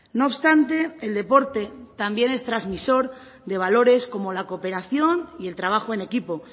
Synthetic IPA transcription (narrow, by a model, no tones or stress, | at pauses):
no̞ːβst̪ant̪e̞ːld̪e̞po̞ɾt̪e̞t̪ambje̞ne̞st̪ɾazmiso̞ɾ | d̪e̞β̞alo̞ɾe̞sko̞molako̞pe̞ɾaθjo̞nie̞lt̪ɾaβ̞axoe̞ne̞kipo̞